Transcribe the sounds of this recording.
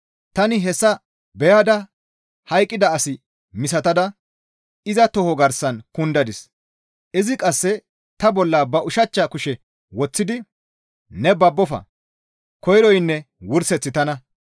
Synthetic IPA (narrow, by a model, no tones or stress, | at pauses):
t̪ɐnɪɦɛsːɐ | bɛjaːd̪ɐ | hɐjkʼːɪd̪ɐːsɪ | mɪsɐt̪ɐd̪ɐ | ɪzɐt̪ɔhɔɡɐɾsɐnkʊnd̪ɐd̪ɪs | ʔɪzɪkʼɐsːɛ | t̪ɐbɔlːɐːbɐʔʊʃɐt͡ʃːɐkʊʃɛ | wɔt͡sːɪd̪ɪ | nɛbɐbːɔfɐ̰ | kɔjɾɔjnːɛ | wʊɾsɛt͡sːɪt̪ɐnɐ